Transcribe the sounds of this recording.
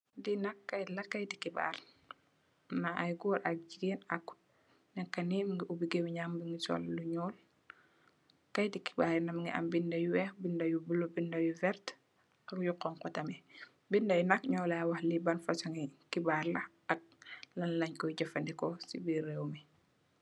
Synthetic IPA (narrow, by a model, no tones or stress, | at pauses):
dinɐkːɐjlɐkːajdikiba̰r | naʔajɡuːɾʔɐk̚d͡ʒiɡenɐkː | nɛkːɐnimŋɡiubiɡemiɲaːmbiŋɡisɔ̰lːuɲɔːl | kajdiki̥baːɾinɐmŋɡḭʔa̰mbindɐjuwɛːxbindɐjubulobindɐjuvɛɾt | ɐkjuqɔŋkɔtɐmi | bindɐjnɐkɲɔːlawahlibanfɐsaŋikibaːɾlɐ | ɐk̚lɐnlɐɲkɔjɟɐfɐndikɔsḭbiɾewmi